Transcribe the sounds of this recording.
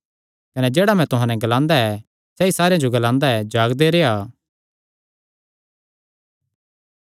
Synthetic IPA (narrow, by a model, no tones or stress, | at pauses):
kɐnɛd͡ʒeːɽamɛ̃t̪ʊɦãnɛ̃ɡɐlãːnd̪aɛ | sɛisaːɾejãd͡ʒoɡɐlãːnd̪aɛd͡ʒaːɡd̪eɾeːaː